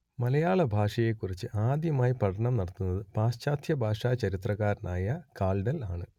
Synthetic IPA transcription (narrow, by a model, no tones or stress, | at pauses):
mɐlɐjaːɭɐbʱaːʂɐjekːurit͡ɕːɨʔaːd̪jɐmaːjipɐʈʰɐɳɐmnɐɽɐt̪ːunːɐðɨpaːɕt͡ɕaːd̪ʰjɐbʱaːʂaːt͡ɕɐɾit̪rɐɣaːɾnaːjɐkaːlɖɐlaːɳɨ